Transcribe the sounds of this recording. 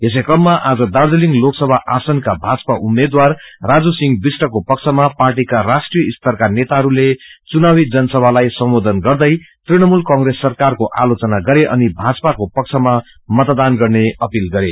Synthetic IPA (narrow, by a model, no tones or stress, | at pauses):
es̬ekrʌmːaʔad͡zʌd̪ard̪uliŋɡloksʌbʱaʔasʌnkabʱad͡zpaʔumːed̪warrad͡zusiŋɡbisʈʌkopʌk̚t͡sʰʌmaparʈikarasʈrijʌist̪ʌrkanet̪aɦʌɾulet͡sunawid͡zʌnʌsʌbʱalajsʌmod̪ʱʌnɡʌrd̪ʌjt̪riɽ̃ʌmulkʌ̃ŋɡresːʌrkarkoʔa̰lot͡sʌnaɡʌɾeʔʌ̰nibʱat͡sʌpakopʌk̚t͡sʰʌma | mʌt̪d̪anɡʌrneʌpilɡʌɾe